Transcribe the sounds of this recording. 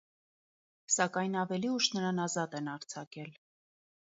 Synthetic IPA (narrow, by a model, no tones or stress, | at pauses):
sɑkɑjnɑvɛliuʃnəɾɑnɑzɑt̪ɛnɑɾt͡sʰɑkɛl